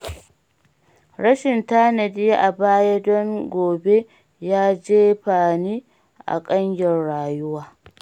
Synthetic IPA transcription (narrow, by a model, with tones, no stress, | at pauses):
ɽɐ˦ʃɪ˨ntaː˦nɐ˨di˦ʔa˨baː˦ja˦dɔ˦ŋɡʷoː˨be˦ | jaː˦d͡ʒeː˦ɸaː˨niː˦ | ʔa̰˨kʼɐ˦ɲjɔ˨rɽaː˨jʊ˦waː˦